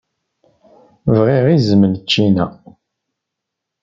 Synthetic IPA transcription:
vʁiʁizəmənt͡ʃːinæ

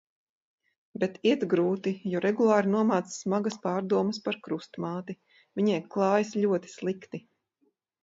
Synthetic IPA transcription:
bɛt̪iɛt̪ɡɾuːt̪ijɔɾɛɡulˠɑːɾinuɔmaːt̪ssːmaɡaspɑːɾd̪uɔməspaɾkɾust̪maːt̪i | vʲiɲɛjklˠɑːjsʎʲuɔt̪i̥slˠikt̪i

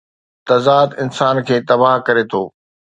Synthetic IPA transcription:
t̪ɐzaːd̪ɪnsaːnkʰeːt̪ɐbaɦkɐɾet̪ʰoː

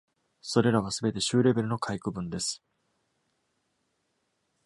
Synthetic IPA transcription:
so̞ɾe̞ɾaβ̞asɨbe̞t̪e̞ɕɨːɾe̞be̞ɾɯno̞kʰaikɯ̟bɯ̟̃nd̪e̞sɨ̥

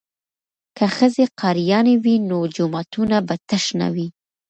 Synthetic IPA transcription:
kaxəzeqɑɾijɑnewinod͡ʒʊmat̪unabat̪əʃna̰wi

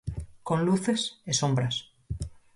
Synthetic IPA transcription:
kõnluθesesõmbɾas

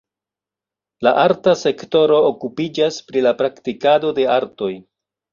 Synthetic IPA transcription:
laʔaɾtase̞kto̞ɾo̞ːkupid͡ʒaspɾilapɾaktikado̞de̞aɾto̞j

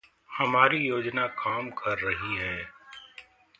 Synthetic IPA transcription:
hɐmaːɾijoːd͡ʒnakaːmkʰɐɾːɐɦiɦɛː

